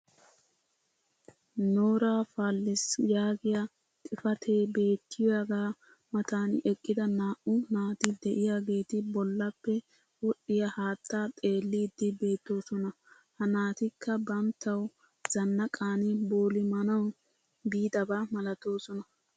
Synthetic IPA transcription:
noːɾaːfaːlːɪsjaːɡɪjɐ | t̪ʼɪfɐt̪ʰeːbe̞ːt̪ʰːɪjaɡaː | mɐt̪aːnɛkʼːɪd̪ɐnaːʔʊnaːt̪ɪd̪ɛʔɪjaːɡe̞ːt̪ɪbɔlːɐpːɛ | wɔɗːɪjɐhaːt̪ːaːt̪ʼe̞ːlːiːd̪ːɪbe̞ːt̪ːo̞ːsɔnɐ | hɐnaːt̪ɪkʰːɐbɐmt̪ːɐw | z̥ɐnːɐkʼaːnɪboːlɪmɐnɐw | biːd̪ɐbamɐlɐt̪o̞ːsɔnɐ

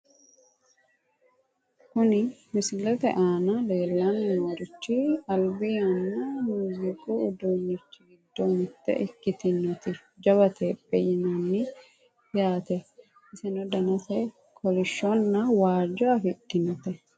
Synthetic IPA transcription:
kʊnɪmɪsɪlɛt̪ɛ̰ʔaːnɐle̞ːlːɐnɪwɔɾɪt͡ʃːɪɐlbɪjanːɐmuːzɪkʼuʊd̪uːnːɪt͡ʃːɪɡɪd̪ːɔnɪt̪ːɛ̰ʔɪkːɪt̪ɪnːɔt̪ɪd͡ʒɐβɐt̪ʰeːpʼːɛjɪnɐnːɪ | jaːt̪ɛ | ɪsɛnɔd̪ɐnɐsɛ | kʰɔlɪʃːɔnːɐwaːd͡ʒɔɐfɪt̪ːɪnɔt̪ɛ

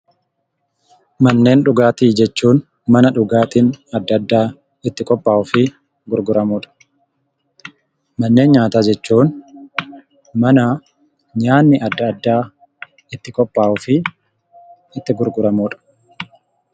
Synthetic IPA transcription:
mɐnːe̞ːnᶑʊɡaːt̪iːd͡ʒɛt͡ʃːuːn | mɐnɐᶑʊɡaːt̪iːnɐd̪ːɐd̪ːaː | ɪt̪ːɪkʼɔpːaːʔʊfɪ | ɡʊɾɡʊɾɐmuːᶑɐ̥ | mɐnːe̞ːnɲaːt̪aːd͡ʒɛt͡ʃːuːn | mɐnɐ | ɲaːnːɪʔɐd̪ːɐd̪ːaː | ɪt̪ːɪkʼɔpːaːʔʊfɪ | ɪt̪ːɪɡʊɾɡʊɾɐmuːᶑɐ̥

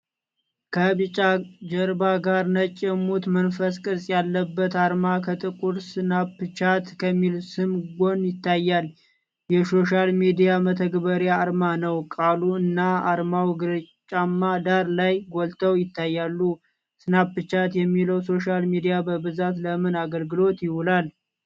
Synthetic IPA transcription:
kʰəβɨt͡ʃʼad͡ʒəɾbaɡaɾnət͡ʃʼːɪmut̪mənfəskʼɨsʼjalːəbːət̪aɾmakʰət̪ʼɨkʼuɾsɨnapːɨt͡ʃat̪kʰəmːilsɨmɡo̞njɪt̪ʰːajːal | jɛso̞ʃalmid̪ijamət̪ʰəɡbəɾjaːɾmanəwkʼaluɨnːaaɾmawɡɨɾt͡ʃʼamːad̪aɾlajɡolt̪ʰəwjɪt̪ʰːajːalːu | sɨnapːɨt͡ʃat̪jɛmːiləwso̞ʃalmid̪ijabəbɨzat̪ləmɨnaɡəlɡɨlo̞t̪jɪhulal

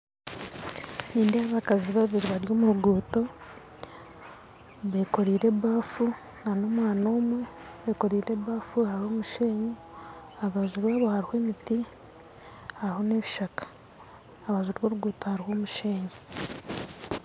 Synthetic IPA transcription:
niːndeaβakaziβaβiɾiβaɾjo̞ːmuɾuɡuːto̞ | βeko̞ɾiːɾe̞βaːfu | nano̞mwaːnoːmwe̞βeːko̞ɾiːɾe̞βaːfuhaɾihoːmuʃe̞ːɲe | aβaʒuɾwaβohaɾihweːmiti | haɾiho̞ne̞ːβiʃakḁː | βaʒuɾwoːɾuɡuːtohaɾihoːmuʃe̞ːɲe

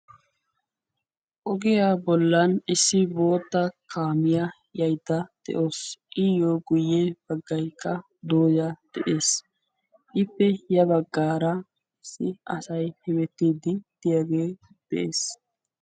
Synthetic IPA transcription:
ʔɔɡɪjaːbɔlːɐnɪsːɪbo̞ːt̪ːɐkʰaːmɪjɐ | jɐjt̪ːɐd̪̥ɛ̰ʔo̞ːsʔɪjoːɡʊjːɛb̥ɐɡːɐjkʰːɐ | d̪oːjɐd̪̥ɛʔe̞ːs | ʔɪpːɛjɐbɐɡːaːɾɐ | ɪsːɪʔɐsɐjhɛmɛt̪ːiːd̪ɪd̪̥ɪjaɡeː | d̪̥ɛʔeːs

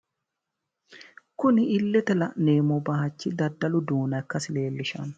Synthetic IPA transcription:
kʊnɪɪlːɛt̪ɛlɐneːmɔbɐhɐt͡ʃːɪd̪ɐd̪ːɐlʊd̪uːnɐɛkːɐsɪle̞ːlːɪʃɐ̰n

